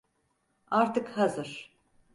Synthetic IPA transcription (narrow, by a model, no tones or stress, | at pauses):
aɾt̪ʰɯkhazɯɾ̥